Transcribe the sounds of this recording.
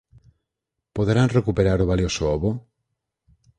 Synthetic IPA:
poðɾanrekupeɾaɾoβaljosooβo

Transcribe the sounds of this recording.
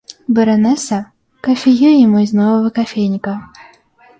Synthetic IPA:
bɨɾɐnɛsɐ | kɐfʲejujɛmɔzʲnɔvɐvɐkafʲejnʲikɐ

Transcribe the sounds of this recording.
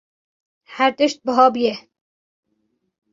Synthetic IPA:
hæɾt̪əʃt̪̚bəɦɑːbɨjɛ

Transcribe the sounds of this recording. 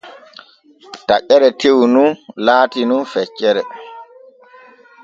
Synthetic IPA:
taʔɛɾɛtewnunlaːtinunfɛt͡ʃːɛɾɛ

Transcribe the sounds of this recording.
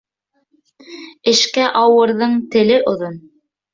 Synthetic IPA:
ɘ̆ʃkæʔɑwɤ̆ɾðɤɴt̪ɘ̆lɘʔŏðon

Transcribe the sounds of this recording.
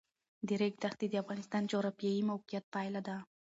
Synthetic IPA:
d̪eɾek̚ʲt̪ʰaχd̪id̪iafʁɑnɪst̪ɑnt͡ʃʰoɾapjejimawqijat̪̚pʰajlad̪a

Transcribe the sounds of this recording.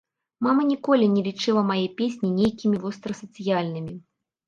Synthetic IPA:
mamɐnʲikɔlʲinʲɛlʲit͡ʂɨlˠɐmajejpʲesʲnʲinʲejkʲimʲivɔst̪ɾɐsɐt̪sɨjalʲnɨmʲi

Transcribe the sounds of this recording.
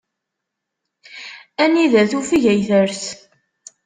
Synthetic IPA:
æniðæθufiʝæjθəɾθ

